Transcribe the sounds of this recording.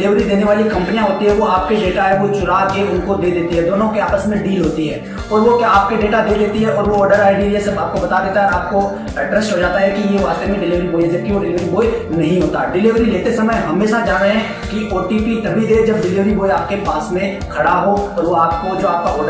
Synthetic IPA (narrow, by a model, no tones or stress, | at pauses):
lɪʋɾid̪eːneʋaːlikɐ̃mpənijãɦoːt̪iɦɛʋoaːp̚keɖeːʈaɦɛʋot͡ʃʊlaːkeʊnkod̪eːd̪eːt̪iɦɛd̪oːnõkeaːpəsmẽɖiːlɦoːt̪iɦɛː | ɔːɾʋokjaaːp̚keɖeːʈad̪eːd̪eːt̪iɦɛʔɔːɾʋoɔːɖəɾaːɪɖiiesɐbaːp̚kobɐt̪ad̪eːt̪aɦɛaːp̚ko | ɛɖɾɛsʈɦod͡ʒaːt̪aɦɛkijeʋaːst̪emẽɖɪlɪʋəɾiboːjd̪et̪ioɖɪlɪʋɾiboːjnɐɦĩɦoːt̪aɖɪlɪʋɾileːt̪esɐməjɦɐmeːʃad͡ʒaːɾeɦɛ̃ | kiʔoːʈipit̪ɐbʱid̪ed͡ʒɐb̚ɖɪlɪʋɾiboːjaːp̚kepaːsmẽ | kʰɐɽaɦot̪oʋoaːp̚kod͡ʒoːaːp̚kaɔːɾɖ